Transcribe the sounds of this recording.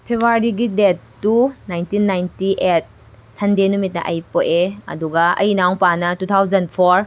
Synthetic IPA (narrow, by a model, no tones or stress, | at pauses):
pʰebʱuaɾiɡidetːunajntinːajntiʔet̚ | sɐndenumit̚nɐ̰ʔɐjpoʔeɐ̰duɡɐɐ̰jnawpanɐtutʰawzɐnpʰoɾ